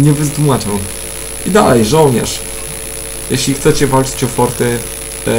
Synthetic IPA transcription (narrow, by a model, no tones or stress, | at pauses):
ɲɛvɘzd̪mat͡ʂɛw | id̪alɛjʐɔwɲɛ̰ʂ | jɛɕlʲixt̪sɛt͡ɕɛvalt͡ʂɘ̥t͡ɕɔfɔɾt̪ɛ